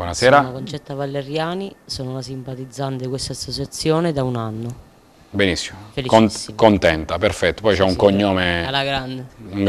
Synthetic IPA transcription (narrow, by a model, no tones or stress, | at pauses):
bwɔnasɛːɾaakont͡ʃɛt̪ːavalːeɾjaːnisoːnonasimpat̪id̪zːant̪ekwest̪aːsːot͡ʃat̪sːjoːned̪aunanːo | benisːi̥mofelikokont̪ɛnt̪aperfɛt̪ːo̥pɔjt͡ʃɛuŋkoɲːoːmealaɡɾand̪euŋɡ